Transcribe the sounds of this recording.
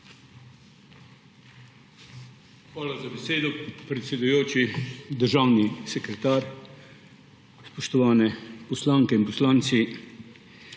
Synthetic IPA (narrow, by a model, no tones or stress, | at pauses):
xʋaːlazabɛseːd̪ɔpɾɛt̪sʲɛd̪ujoːt͡ʃid̪əɾʒawnisɛkɾɛt̪aːɾ | spɔʃt̪ɔʋaːnɛpɔslaːŋkɛinpɔslaːnt̪si